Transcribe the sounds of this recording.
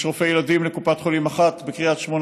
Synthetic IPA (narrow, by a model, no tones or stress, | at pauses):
ʃʁofejelad̪imlekupat̪χolimaχat̪bekʁiat̪ʃmon